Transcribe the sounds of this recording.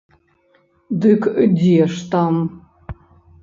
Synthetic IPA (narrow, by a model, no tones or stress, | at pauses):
dɨkʰɨdʲiɛʂt̪am